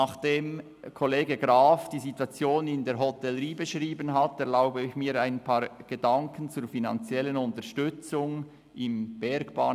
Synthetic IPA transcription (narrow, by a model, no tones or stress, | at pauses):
nɑːχd̥eːm | kʰoleːɡəɡʁaːfd̥iːzitwɑt͡sjoːnɪndeːɦɔtɛləɾiːbəʃʁiːbənɦɑtɛʁlaʊbəɪçmiːɾaɪnpʰɑːɾɡ̥ədɑŋkʰən̩t͡suːɾfinɑ̰nt͡sjɛlːənʊntəʃtʏt͡sʊŋ | ɪmb̥ɛɾɡb̥ɑ̰ːn